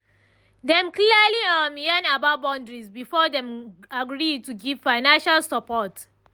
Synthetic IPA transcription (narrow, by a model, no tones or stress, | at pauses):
dɛ̃mklialiɔ̃mianababɔ̃ndɹisbifɔdɛ̃maɡɹituɡiv̥faɪnãnʃalsɔpɔt